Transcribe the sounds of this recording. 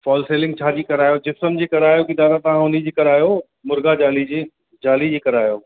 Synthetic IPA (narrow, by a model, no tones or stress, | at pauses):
fɔːlseːlɪ̃ŋɡt͡ɕʰaːd͡ʑiːkɐɾaːjod͡ʑɪfsəmd͡ʑiːkɐɾaːjokid̪aːɾat̪ɐʋ̤ãɦʊnid͡ʑiːkɐɾaːjo | mʊɾɡad͡ʑaːlid͡ʑiː | d͡ʑaːlid͡ʑiːkɐɾaːjoː